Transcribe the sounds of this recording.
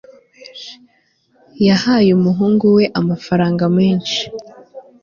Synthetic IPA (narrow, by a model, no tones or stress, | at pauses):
jahaːjumuɦuːŋɡuwe̞ʔamafaɾaːŋɡameːnʃi̥